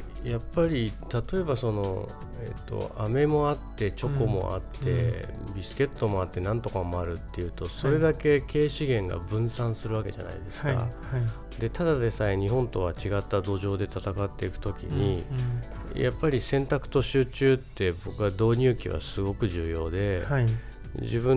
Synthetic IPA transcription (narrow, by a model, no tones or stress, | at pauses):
japːaɾʲit̪at̪o̞e̞baso̞no̞̰ | e̞̰t̪ːo̞̰ame̞mo̞at̪ːe̞t͡ɕo̞ko̞mo̞̰ʔa̰t̪ːe̞bʲisɨ̥ke̞t̪ːo̞mo̞at̪ːe̞nãnt̪o̞kamo̞aɾɯ̟t̪ːe̞jɯ̟ːt̪o̞so̞ɾe̞d̪ake̞ke̞ːɕiɡẽ̞ŋɡa̰bɯ̟̃ɰ̃sãɰ̃sɨɾɯake̞ʑa̰na̰ḭd̪e̞sɨ̥ka̰ | d̪e̞t̪ad̪ad̪e̞saiɲ̟iɦõ̞nt̪o̞β̞at͡ɕiɡat̪ːad̪o̞ːʑo̞ːd̪e̞t̪at̪akat̪ːe̞ikɯ̟̥t̪o̞kʲḭɲ̟i | jʔapːaɾʲisẽ̞nt̪akɯ̟̥t̪o̞ɕɨːt͡ɕɨːt̪ːe̞bo̞kɯ̟βad̪o̞ːɲ̟ʲɨːkʲiβa̰sɨɡo̞kɯ̟ʑɨːjo̞ːd̪e̞ | d͡ʑibɯ̟̃